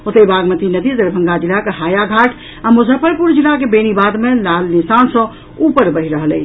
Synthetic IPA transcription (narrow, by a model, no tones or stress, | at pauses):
ot̪əbaɡmət̪inəd̪id̪əɾbʱə̃ŋɡad͡ʒilakeɦajaɡʱaʈʰ | amud͡ʒʱəpəɾpuɾd͡ʒilakebenibad̪melalnisansə̃ | upəɾbəɦiɾəɦəlɛ̰t͡ʃʰ